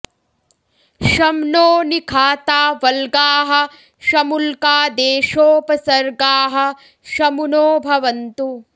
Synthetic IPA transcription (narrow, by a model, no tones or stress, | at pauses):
ʃɐmnoːnikʰaːt̪aːʋɐlɡaːɦɐ̆ | ʃɐmulkaːd̪eːʃoːpɐsɐɾɡaːɦɐ̆ | ʃɐmunoːbʱɐʋɐnt̪u